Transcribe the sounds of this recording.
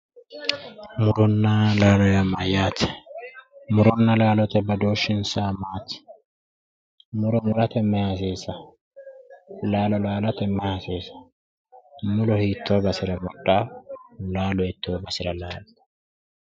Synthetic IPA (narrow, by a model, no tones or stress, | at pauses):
mʊɾɔnːɐlaːlɔjɐmːɐjaːt̪ | mʊɾɔnːɐlaːlɔt̪ɛbɐd̪oːʃːɪnsamaːt̪ɪ̥ | mʊɾɔmʊɾɐt̪ɛmːɛhasiːsɐ | laːlɔlaːlɐt̪ɛmːɛhasiːsɐ̥ | mʊlɔhiːt̪ʰːoːbɐsɪɾɐmɔᶑaːlaːlɔɛt̪ʰːoːbɐsɪɾɐlaːl